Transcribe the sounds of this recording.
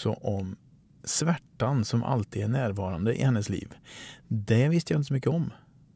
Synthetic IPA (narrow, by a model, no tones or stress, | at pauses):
sɔ̰ʔɔm | svæʈːansɔmʔa̰lt̪iːd̪æɳæːɾvɑːɾand̪əʔɪ̰hɛnːəslḭːvd̪ɛvɪst̪əjaɪnt̪əsɔmʏkːəɔm